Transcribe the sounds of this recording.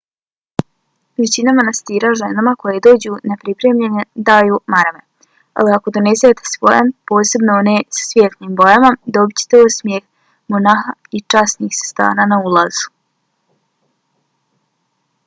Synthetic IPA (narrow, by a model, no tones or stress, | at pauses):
ʋet͡ɕinamanast̪iːɾaʒenamako̞jed̪o̞ːd͡ʑuːnepɾipɾeːmʎened̪aːjuːmaɾamḛ | a̰liako̞d̪onezajet̪ʰe̥sʋo̞jampo̞ːse̞bnooneːsḁsʋʲjet̪niːmbo̞jamad̪o̞bit͡ɕe̥t̪eusmjex | monaxait͡ʃasniːxsḁst̪a̰ːnanaulˠazu̥